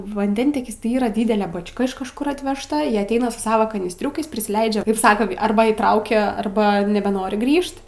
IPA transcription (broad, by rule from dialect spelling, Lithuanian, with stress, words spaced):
ʋɐnʲˈdʲɛnʲtʲiɛkʲɪs tɐɪ ˈiːrɐ ˈdʲiːdʲɛlʲɛ bɐt͡ʃʲˈkɐ ɪʃ kɐʃˈkʊr ɐtʲʋʲɛʃˈtɐ iː ɐtʲˈɛɪnɐ sʊ ˈsɑːʋoː kɐnʲiːsʲˈtʲrʲʊkɐɪs pʲrʲɪsʲɪˈlʲɛɪd͡ʒʲɛ ˈsɑːkɐ ˈɐrbɐ iːˈtrɐʊkʲɛ ˈɐrbɐ nʲɛbʲɛˈnoːrʲɪ ˈɡrʲiːʃt